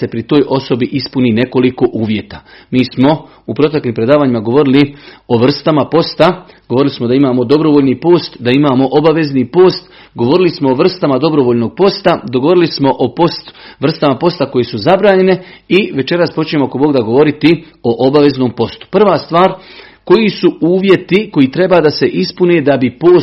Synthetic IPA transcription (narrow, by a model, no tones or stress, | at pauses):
se̞pɾit̪o̞ːjʔo̞so̞biʔispunine̞ko̞liko̞ʔuːʋje̞t̪amiːsmo̞ | upɾo̞t̪e̞kliːmpɾe̞d̪aːʋaːɲimaɡo̞ʋo̞ɾilio̞ʋr̩st̪amapo̞st̪aɡ̥oʋo̞ɾilismod̪aimaːmo̞d̪o̞bɾo̞ʋoʎnipo̞ːst̪d̪aimaːmo̞ʔobaʋe̞znipo̞ːst̪ | ɡo̞ʋo̞ɾilismo̞oʋr̩st̪amad̪o̞bɾo̞ʋoʎno̞ɡ̚po̞st̪ad̪oɡoo̞ɾilismo̞ʔopo̞st̪ʋr̩st̪amapo̞st̪ako̞jesuzabɾaːɲe̞neiʋe̞t͡ʃe̞ɾaspo̞t͡ʃɲemoako̞bo̞ːɡd̪aɡo̞ʋo̞ɾit̪i | o̞ʔobaʋe̞zno̞ːmpo̞st̪u̥pr̩ʋaːst̪ʋaːɾ | ko̞jisuuːʋje̞t̪iko̞jiːt̪ɾe̞baːd̪ase̞ʔispuneːd̪abipoː